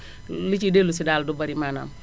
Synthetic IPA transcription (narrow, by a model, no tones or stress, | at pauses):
lit͡ʃidelusidaːldubaɾimana̰m